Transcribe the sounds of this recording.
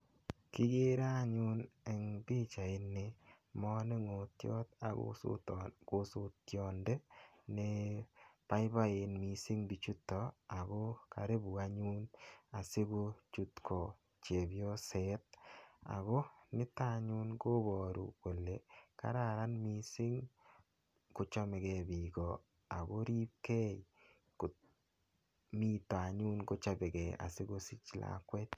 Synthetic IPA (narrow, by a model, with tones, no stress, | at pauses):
kɪ˦ɡe˦ɾa˦ɲu˦nɛ˨ŋbi˦t͡ʃa˨ɪ˦nːe˦ | mɔ˦ne˦ŋo˨t̪jɔ̰˦t̪a | ɡ̥o˦sʊ˦t̪jɔ˨nde˦ | ne˦pa˦ɪ˦ba˦e˨nmi˨si˦ŋbi˨t͡ʃu˦tːɔ˨a˨ɡo˦ka̰˨ɾe˦bu˨a˨ɲu˦na˨sɪ˦ɡo˦t͡ʃu˦t̪kʰo˨ | t͡ʃe˨bjo˦sɛ˦t̚a̰˨ɡo˦nɪ˦ta˦ɲu˦nɡo˦bɔ˨ɾṵ˨ko˨lːe˨ka̰˦ɾa˦˨ɾa˦nmi˦sɪ˦ŋ | kʊ˦t͡ʃɔ˦mɛ˨ɡe˦bi˨ɡɔ˨ | a˨ɡo˦ɾi˦p̚ke˦j | k | mi˦tɔ˨a˨ɲu˦nɡo˦t͡ʃa˦bɛ˨ɡɛ˨a̰˨sɪ˦ɡo˦si˦t͡ʃla̰˨kwɛ˦t̪